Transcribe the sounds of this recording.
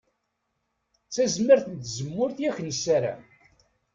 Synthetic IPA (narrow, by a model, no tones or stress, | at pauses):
t͡sːæzməɾθənt̪zəmːʊɾθjæçnəsːæɾa̰